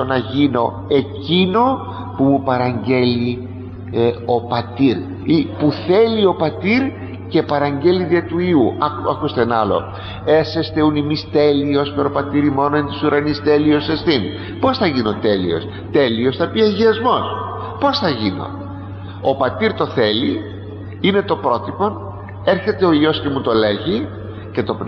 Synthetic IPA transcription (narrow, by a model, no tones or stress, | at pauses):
onɐʝino̞ | e̞cino̞ | pumupɐɾɐɲɟe̞li | o̞pɐt̪iɾ | ipuθe̞lio̞pɐt̪iɾ | ce̞pɐɾɐɲɟe̞liðiɐt̪uiuʔɐɐkust̪e̞nɐlo̞̰ | e̞sest̪eunimist̪e̞lio̞speɾopɐt̪iɾimo̞noent̪isuɾɐnist̪e̞lio̞sest̪in | po̞sθɐʝinot̪e̞lḭo̞̰s | t̪e̞lio̞sθɐpiɐʝiɐzmo̞s | po̞sθɐʝino̞̰ | opɐt̪iɾt̪o̞θe̞li | ine̞t̪o̞pɾo̞t̪ipo̞n | e̞ɾçe̞t̪e̞oio̞scemut̪o̞le̞ʝi | ce̞t̪o̞